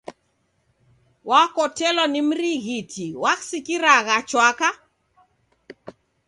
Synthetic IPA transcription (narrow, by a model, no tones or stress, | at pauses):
wakɔtɛlɔnim̩ɾiɣitʰiwaksikiɾaɣat͡ʃwaka